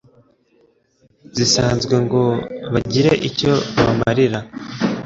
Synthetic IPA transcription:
zisaːnzɡwe̞ŋɡo̞βaɟiɾeʔico̞βa̰maɾiɾa

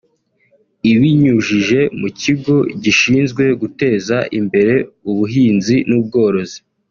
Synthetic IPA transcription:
iβiɲuʒiʒe̞muciɡo̞ɟiʃiːnzɡwe̞ɡute̞ːzaʔimbe̞ɾe̞uβuɦiːnzinuːb̚ɡo̞ːɾo̞zi

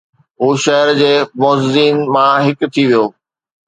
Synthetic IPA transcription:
ɦuːʃɐɦəɾd͡ʑeːmɔːzziːnmãɦɪkt̪ʰiʋijoː

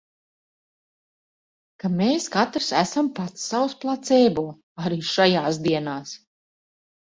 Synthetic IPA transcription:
kameːskat̪ɾsæsampat̪sːawsplˠat̪seːbuː | aɾiːʃajaːsd̪iɛnaːs

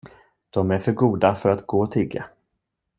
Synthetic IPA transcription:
d̪̥ɔmæɾfœɾɡuːd̪afœɾat̪ɡoːɔt̪ʰɪɡːa̰

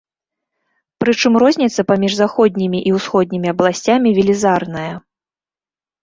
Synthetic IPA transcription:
pɾɨt͡ʂɨmrɔzʲnʲit̪sɐpamʲiʐzaxɔd̪̚ʲnʲimʲiʔiwsxɔd̪̚ʲnʲimʲiɐblˠasʲt͡sʲamʲivʲilʲizarnɐjɐ

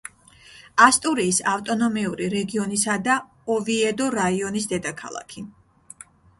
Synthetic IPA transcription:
ast̪ʼuɾiːsaft̪ʼɔnɔmiuɾiɾɛɡiɔnisad̪a | ɔviɛd̪ɔɾaiɔnisd̪ɛd̪akʰa̰lˠa̰kʰi

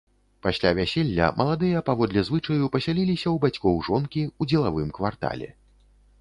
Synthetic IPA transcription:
pasʲlʲavʲasʲelʲːɐ̰mʔɐlˠad̪ɨjɐpavɔd̪lʲɛzvɨt͡ʂɐjupɐsʲalʲilʲisʲɐwbat͡sʲkɔwʐɔnkʲiud͡zʲɛlˠavɨmkvart̪a̰lʲɛ̰

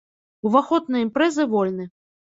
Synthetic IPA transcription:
uvaxɔd̪nɐjimpɾɛzɨvɔlʲnɨ

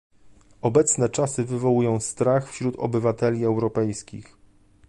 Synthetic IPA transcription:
ɔbɛt̪snɛt͡ʂasɘvɘvɔwujɔ̃w̃st̪ɾaxfɕɾut̪ɔ̰bɘvat̪ɛlʲiɛwɾɔpɛjskʲḭx

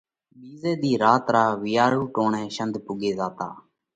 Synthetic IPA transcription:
ɓiːzeːd̪iːɾaːt̪ɾaːʋɪjaːɾuːʈoːɳɛ̃ːʃənd̪pʊɡeːzaːt̪a̰ː

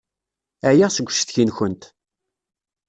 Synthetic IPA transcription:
æjaʁsəɡʷːʃθçinçənt̪

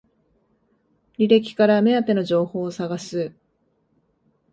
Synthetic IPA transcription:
ɾʲiɾe̞kʲi̥kaɾame̞at̪e̞no̞ʑo̞ːho̞ːsaɡasɨ

